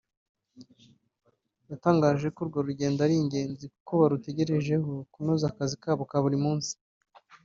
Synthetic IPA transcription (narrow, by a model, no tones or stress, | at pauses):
jataːŋɡaːʒe̞koɾɡoɾuɟe̞ːndaɾiɲɟe̞ːnzikukʰoβaɾute̞ɟe̞ɾe̞ʒe̞hokunuːzakazikaːβokaβuɾimuːnsi̥